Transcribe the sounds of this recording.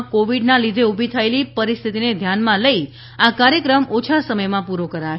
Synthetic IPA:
koʋiɖnãlid̪ʱeubʱit̪ʰaelipəɾist̪ʰit̪ined̪ʱjanmãləi | akaɾjəkɾəmot͡ʃʰasəməjmãpuɾokəɾa

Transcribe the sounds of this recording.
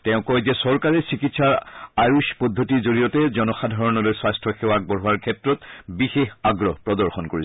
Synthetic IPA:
tɛʊ̃kɔzɛsɔɹkaɹɛsikitsaɹaɹuspɔdʱːotizoɹijɔtɛzɔnɔxadʱaɹɔnɔlojswastʰɔxewak̚bɔɹuaɹkʰɛtɹɔtbixexaɡɹɔpɹɔdɔɹxɔnkoɹis

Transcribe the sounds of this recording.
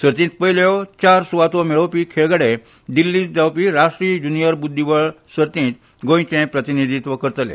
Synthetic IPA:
səɾt̪ĩt̪̚pəɦiljɔt͡ɕaɾsuʋat̪omeɭəwpiːkʰeɭɡəɽe | d̪ilːĩt͡sd̪awpiɾaʂʈɾid͡ʑunijəɾbud̪ʱːiʋəɭsəɾt̪ĩt̪ | ɡõj̃t͡ɕẽpɾət̪inid̪ʱit̪ʋəkəɾt̪əlḛ̃

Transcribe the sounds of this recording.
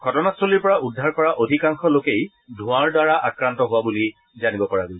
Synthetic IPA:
ɡʱɔtɔnastʰoliɹpɔɹaudʱːaɹkɔɹaʔodʱikaŋxɔlokej | dʱʊ̃aɹdaɹaʔakɹantɔɦʊwabuli | zanibɔpɔɹaɡol

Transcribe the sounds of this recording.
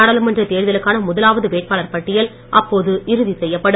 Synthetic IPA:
ɐɽɐlɯmɐndrɐt̪eːɾðɐlɯkːaːnɐmʊðɐlaːʋɐðɯʋeːʈ̚paːlɐɾpɐʈːɪjɐl | ʔɐpːoːðɯʔɪɾɯðisɛjːɐpːɐɽɯ

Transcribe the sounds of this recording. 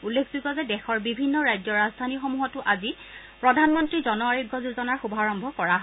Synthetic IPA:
ulːekʰzukɔzɛdɛxɔɹbibʱinːɔɹajd͡ʒɔɹazdʱanixɔmuɦɔtʊʔazi | pɹɔdʱanmɔntɹizɔnɔaɹiɡːɔzuzɔnaɹxubʱaɹɔmbʱɔkɔɹaɦɔ

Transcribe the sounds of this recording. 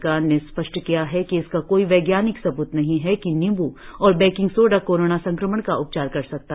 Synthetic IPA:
kaːnespɐʃʈʰkijaɦɛkiɪskakoːiʋɛːɡjaːnɪksɐbuːt̪nɐɦĩɦɛkinɪ̃mbuɔːɾbɛ̃ːkɪ̃ŋɡsoːɖakoːɾoːnasɐ̃ŋkɾəməɳ̃kaʔʊp̚t͡ʃaːɾkɐɾsɐk̚t̪a

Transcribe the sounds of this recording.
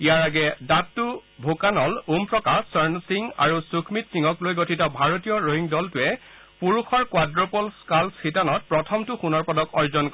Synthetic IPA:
ijaɹaɡɛdatːubʱokanɔlumpɹɔkasɔɹnsiŋa̰ɹusukʰmitsiŋɔklojɡotʰitɔbʱaɹotijɔɹoɦiŋdɔltʊɛ | puɹuxɔɹkwadɹɔpɔlskalsxitanɔt̚pɹɔtʰɔmtʊxunɔɹpɔdɔkɔɹzɔnkɔ

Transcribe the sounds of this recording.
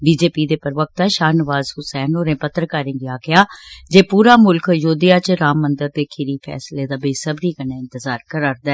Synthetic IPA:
biːd͡ʒeːpiːd̪eːpəɾʋək̚t̪aːʃaːnɪʋaːzɦʊsɛːnoːɾẽːpət̪ːɾəkaːɾẽːɡiaːɡɪjaːd͡ʒeːpuːɾaːmʊlkjoːd̪ɪjaːt͡ʃɾaːmːənd̪əɾd̪eːkʰɪɾiːfʰɛ̰ːsleːd̪aːbeːsəbɾiːkəɳaːɪ̃nt̪əzaːɾkəɾaːɾd̪aɛː

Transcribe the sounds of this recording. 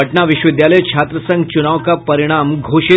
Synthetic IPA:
əʈnaʋiɕʋid̪jaləjt͡ʃʰat̪ɾəsə̃ŋɡ̚t͡ɕunaʋkapəɾiɽ̃amɡʱoɕi

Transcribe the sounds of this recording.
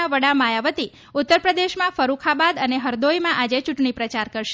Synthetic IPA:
aʋəɽamajaʋət̪i | ut̪ːəɾpɾəd̪eʃmãfəɾukʰabad̪əneɦəɾd̪ojmãʔad͡ʒet͡ʃuʈɳ̃ipɾət͡ʃaɾkəɾʃ

